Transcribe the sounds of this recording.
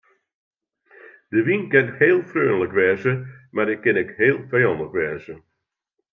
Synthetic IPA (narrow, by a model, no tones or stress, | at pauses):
d̥əʋinkɛnheːlˠfrøːnələkʋɛːzəmardɪkɪnɪkheːlˠfajɑndləkʋɛːzə